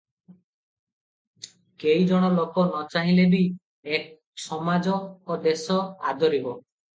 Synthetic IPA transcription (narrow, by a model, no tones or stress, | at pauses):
kejd͡ʒɔɽ̃ɔlokɔnɔt͡ʃaɦĩlebi | ek̚ | sɔmad͡ʒɔːd̪esɔad̪ʱɔɾibɔ